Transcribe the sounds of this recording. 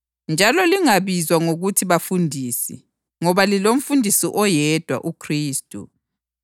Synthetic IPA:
nd͡ʒʱalɔliŋaβizwaŋoɣutʰiβafundʱisɛ̰ | ŋɔβalilom̩fundʱisiʔɔjɛd̥ʱwa̰ʔukʰriːstʼṵ

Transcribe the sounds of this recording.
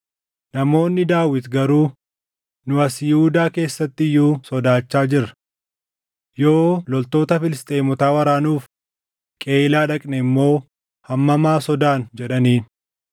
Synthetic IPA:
nɐmo̞ːnːɪd̪aːwɪt̪ɡɐɾuː | nʊɐsjɪhuʊd̪aːke̞ːsːɐt̪ːɪɪjuːsɔd̪aːt͡ʃːaːd͡ʒɪɾɐ̥ | jo̞ːlɔlt̪o̞ːt̪ɐfɪlɪst̪ʼeːmɔt̪aːwɐɾaːnuːf | kʼe̞ːɪlaːᶑɐkʼnɛmːo̞ː | hɐmːɐmaːsɔd̪aːnd͡ʒɛᶑɐniːn

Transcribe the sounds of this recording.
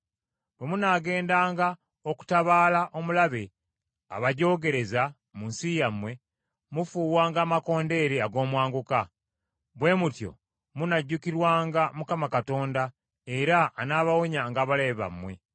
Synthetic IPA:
βwemunaːɡe̞ːndaːŋɡa | oku̥taβaːlaʔo̞mulaβe̞ | a̰βaɟo̞ːɡe̞ɾe̞za | munsijamwe̞ | mufuːwaːŋɡaːmako̞ːnde̞ɾeaɡo̞ːmwaːŋɡuka | βwe̞ːmutjo̞̰ | munaɟːukiɾwaːŋɡamukamakato̞ːnda | eɾaːnaːβawoɲaŋɡaːβaleβa̰mːwe̞̰

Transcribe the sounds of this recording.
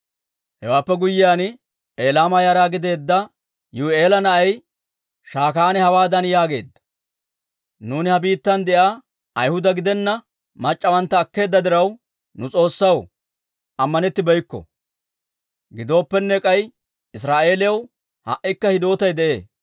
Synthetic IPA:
hɛwaːpːɛɡʊjːɪjaːn | eːlaːmɐjaːɾaːɡɪd̪e̞ːd̪ːɐ | juːe̞ːlɐnɐʔɐj | ʃaːkaːnɛhɐwaːd̪ɐnjaːɡe̞̰ːd̪ːɐ̥ | nuːnɪhɐbiːt̪ːɐnd̪ɛʔaː | ɐjhʊd̪ɐɡɪd̪ɛnːɐ | mɐt͡ʃʼːɐwɐnt̪ːɐːkːe̞ːd̪ːɐd̪ɪɾɐw | nʊt͡sʼo̞ːsːɐw | ʔɐmːɐnɛt̪ːɪbɛjkːɔ̰ | ɡɪd̪o̞ːpːɛnːɛkʼɐj | ɪs̬ɾaːʔe̞ːlɪjɐw | hɐ̰ʔɪkːɐhɪd̪o̞ːt̪ɐjd̪ɛʔe̞̰ː

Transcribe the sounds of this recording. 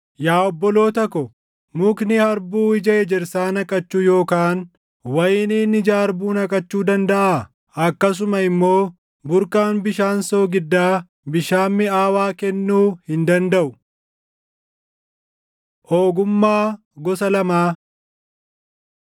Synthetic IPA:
jaːɔbːɔlo̞ːt̪ɐkːɔ | mʊknɪhɐɾbuːɪd͡ʒɐɛd͡ʒɛɾsaːnɐkʼɐt͡ʃːuːjo̞ːkaːn | wɐjɪniːnɪd͡ʒaːɾbuːnɐkʼɐt͡ʃːuːd̪ɐnd̪ɐʔaː | ɐkːɐs̬ʊmɐɪmːo̞ː | bʊɾkʼaːnbɪʃaːnso̞ːɡɪd̪ːaː | bɪʃaːmːɪaːwaːkɛnːuːhɪnd̪ɐnd̪ɐʔʊ | ʔoːɡʊmːaː | ɡɔsɐlɐmaː

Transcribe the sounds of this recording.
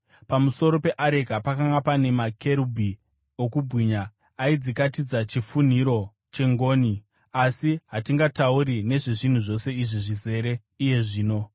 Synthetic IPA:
pamuso̞ɾo̞pe̞ʔaɾekapakaŋɡapane̞make̞ɾubʱi | okubʱwiɲaː | id͡zikatid͡zat͡ʃifun̤iɾo̞ | t͡ʃe̞ŋɡo̞ːni | asiɦatiŋɡataurine̞ʐiʐin̤uʐo̞se̞iʐiʐize̞ɾe̞ | ije̞ʐiːno̞

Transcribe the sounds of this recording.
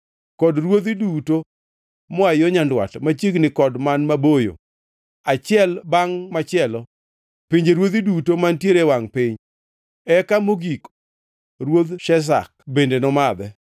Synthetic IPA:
kɔdɾwot̪iduto | mɔajoɲandwa̰tmat͡ʃiɡnɪkɔdmanmabojo̰ | at͡ʃɪɛlbaŋmat͡ʃɪɛlɔ | piɲd͡ʒeɾwot̪idutomantjeɾewaŋpɪɲ | ɛkamoɡik | ɾwod̪ʃɛs̬a̰k̚bendenɔmad̪ɛ

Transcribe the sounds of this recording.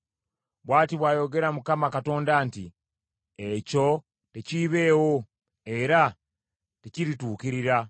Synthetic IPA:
βwaːtiβwaːjo̞ɡe̞ɾamukamakato̞ːndaːnti | eco̞ | teciβe̞ːwo̞ | e̞ɾa | teciɾituːkiɾiɾa

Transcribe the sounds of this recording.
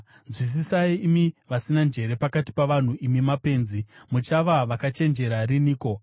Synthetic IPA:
nzwis̬isaiːmiʋasinand͡ʒe̞ɾe̞pakati̥paʋan̤uʔimimape̞ːnzimut͡ʃaʋaʋakat͡ʃe̞nd͡ʒe̞ɾariniːko̞

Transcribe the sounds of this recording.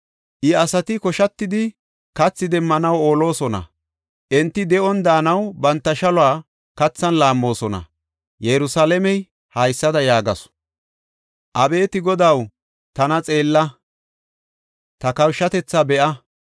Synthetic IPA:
ʔɪɐsɐt̪ɪkɔʃɐt̪ːɪd̪ɪ | kɐt͡sːɪd̪ɛmːɐnɐwo̞ːlo̞ːsɔnɐ̰ | ʔɛnt̪ːɪd̪ɛʔɔnd̪aːnɐwbɐnt̪ːɐʃɐlʊaː | kɐt͡sːɐnlaːmːo̞ːsɔnɐ̰ | jɛɾʊsaːlɛmɛj | hɐjsːɐd̪ɐjaːɡɐs | ʔɐbe̞ːt̪ɪɡɔd̪ɐw | t̪ɐnɐt͡sʼe̞ːlːɐ | t̪ɐkɐwʃːɐt̪ɛt͡sːabɛʔɐ

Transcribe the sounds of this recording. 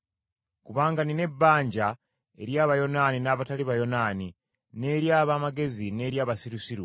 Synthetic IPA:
kuβaːŋɡanine̞bːaːɲɟa | e̞ɾjaːβajo̞naːninaːβataliβajo̞naːni | ne̞ːɾjaːβamaɡe̞zine̞ːɾjaːβasiɾusiɾu

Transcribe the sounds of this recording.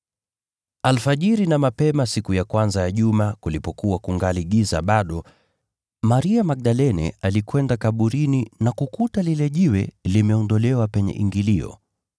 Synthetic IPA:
alfaʄiɾinamapɛmasikujakwanzajaʄumakulipɔkuwakuŋɡaliɠiza̰ɓaɗɔ | maɾiamak̚ɗalɛnɛ̰alikwɛndakaɓuɾininakukutalilɛʄiwɛ̰limɛɔndɔlɛwapɛɲɛ̰ʔiŋɡiliɔ̰

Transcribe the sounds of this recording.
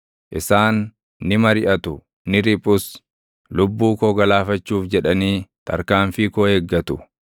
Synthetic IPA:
ʔɪsaːnː | ɪmɐɾɪʔɐt̪ʊ | nɪɾɪpʼʊs | lʊbːuːkoɡɐlaːfɐt͡ʃːuːfd͡ʒɛᶑɐniːt̪ʰɐ̰ɾkaːɱfɪkoːhɛɡːɐt̪ʊ

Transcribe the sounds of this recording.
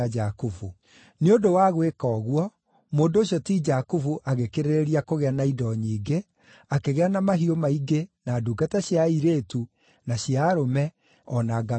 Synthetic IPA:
ad͡ʒakufu | neondowaɣwekɔːɣwɔ | moːndoːɕjɔtid͡ʒakufuʔaɣekeɾeɾeɾiakoɣeanaidɔɲiːɡe | akeɣeanamaɦiomaiɡenaduːɡataɕjaiɾeːtu | naɕjaɾomɛ | ɔnaɡa

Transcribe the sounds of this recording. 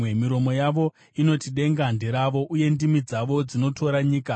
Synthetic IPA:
emiɾo̞mo̞jaʋo̞ | ino̞tiɗe̞ŋɡandiɾaʋo̞ʔuje̞ndimid͡zaʋo̞d͡zino̞tʰo̞ɾaɲiːka

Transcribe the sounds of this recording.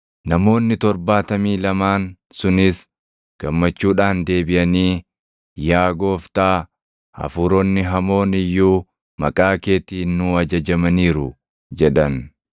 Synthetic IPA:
nɐmo̞ːnːɪt̪ɔɾbaːt̪ɐmiːlɐmaːn | sʊnɪs | ɡ̥ɐmːɐt͡ʃːuːᶑaːnd̪e̞ːbɪʔɐniː | jaːɡo̞ːft̪aː | ɐ̰fʊɾɔnːɪɦɐmo̞ːnɪjːuː | mɐ̰kʼaːke̞ːt̪iːnːuːɐd͡ʒɐd͡ʒɐmɐniːɾʊ | d͡ʒɛᶑɐn

